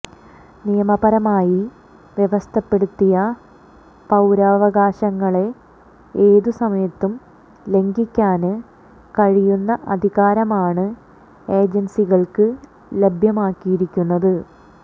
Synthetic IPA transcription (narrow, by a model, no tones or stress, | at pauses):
nijɐmɐbɐɾɐmaːji | ʋje̞ʋɐst̪ʰɐpːe̞ɽut̪ːijɐ | pɐwɾaːʋɐɣaːɕɐŋːɐɭe̞ | eːðusɐmɐjɐt̪ːum | le̞ŋɡikʲːaːnɨ | kɐɻijunːɐʔɐd̪ʱiɣaːɾɐmaːɳɨ | e̞ːd͡ʑensiɣɐɭkɨ | le̞bʱjɐmaːkːijiɾikʲːunːɐðɨ